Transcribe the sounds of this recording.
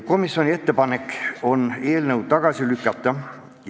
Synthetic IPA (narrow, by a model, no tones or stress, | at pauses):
ko̞misːo̞nʲie̞t̪ːepɑne̞kːˑo̞nːe̞ːlnəwt̪ɑɡ̥ɑsilykːˑɑt̪ˑːɑ